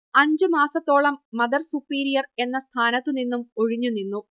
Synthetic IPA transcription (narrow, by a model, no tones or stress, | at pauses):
ɐɲd͡ʑɨmaːsɐt̪ːo̞ːɭɐmːɐd̪ɐrsupːiːɾijɐre̞nːɐst̪ʰaːnɐt̪ːɨninːumo̞ɻiɲːunːinːu